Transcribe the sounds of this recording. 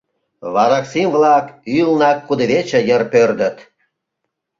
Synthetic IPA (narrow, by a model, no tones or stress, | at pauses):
βɑɾɑksimvlɑkylnɑkːud̪eβet͡ɕĕjərpørd̪ə̆t̪